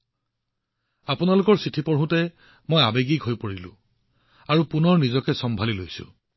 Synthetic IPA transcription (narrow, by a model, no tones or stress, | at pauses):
apunalʊkɔɹsitʰipɔɹɦũtɛ | mojabeɡikɦojpoɹilʊ̰̃ | aɹupunɔɹnizɔkɛsɔmbʱalilojsʊ̰̃